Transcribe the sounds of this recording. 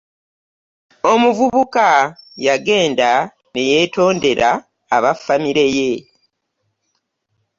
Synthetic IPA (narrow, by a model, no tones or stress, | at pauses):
o̞muvuβukajaɡe̞ːnda | ne̞je̞to̞ːnde̞ɾʔaː | βafamiɾe̞je̞